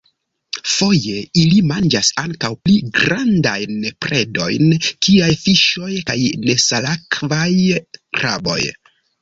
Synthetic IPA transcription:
fo̞je̞ilimand͡ʒasaŋkawpliɡɾandajnpɾe̞do̞̰jnkiajfiʃo̞jkajne̞salakʰvajkɾʔabo̞̰j

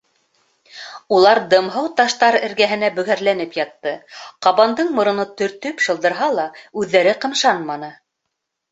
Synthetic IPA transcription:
ulˠɑɾd̪ɤ̆mɦɤwt̪ɑʃt̪ɑɾɘ̆ɾɡæɦɘ̆næbɵ̆ɣæɾlænɘpjɑt̪ːɤqɑβɑnd̪ɤɴmŏɾɤ̆nɤt̪ɵ̆ɾt̪ɵpʃɤ̆lˠd̪ɤ̆ɾɦɑlˠɑʉðːæɾɘqɤ̆mʃɑnmɑnɤ

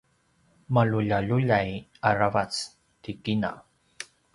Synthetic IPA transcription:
malʊʎaʎʊʎajaɾavat͡s | t̪ɪkɪna̰

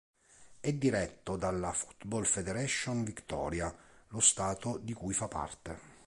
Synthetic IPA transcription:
ɛd̪ːiɾɛt̪ːod̪alːafu̥t̪bɔlfed̪eɾɛʃːonvikt̪ɔ̰ːɾjalost̪aːt̪od̪ikujfapːa̰rt̪e

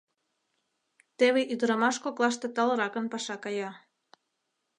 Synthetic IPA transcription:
t̪eβeʔyd̪ɾɑmɑʃkoklɑʃ̬t̪et̪ɑlɤɾɑkə̆npɑʃɑkɑjɑ

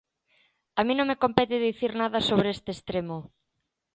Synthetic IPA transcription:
amĩnõŋmekompɛt̪eðiθiɾnaðɐsoβɾeest̪eːst̪ɾemo

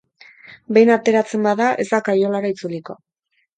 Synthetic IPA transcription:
be̞jnat̪e̞ɾat͡se̞mbaðaʔe̞̰zd̪akajo̞laɾait͡suliko̞

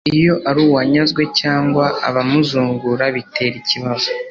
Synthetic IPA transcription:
ijo̞ʔaɾuːwaɲazɡwe̞caːŋɡwaːβamuzuːŋɡuɾaβitʰe̞ɾiciβazo

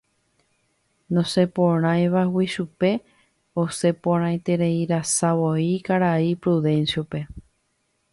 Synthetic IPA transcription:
nõse̞põɾ̃ãjʋawiʃupe̞ | ose̞põɾ̃ãj̃t̪e̞ɾe̞iɾasaβoikaɾaipɾuðẽ̞nsjope̞

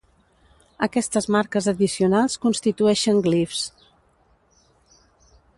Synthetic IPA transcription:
əkɛst̪əzmaɾkəzəðisiunalˠskunst̪it̪uɛʃəŋɡlifs

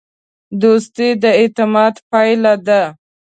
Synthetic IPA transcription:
d̪ost̪ed̪əet̪ɪmɑd̪pɑjlad̪a

